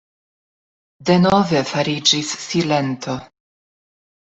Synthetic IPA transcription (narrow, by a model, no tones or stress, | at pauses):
de̞no̞ve̞faɾid͡ʒisːile̞nt̪ʰo̞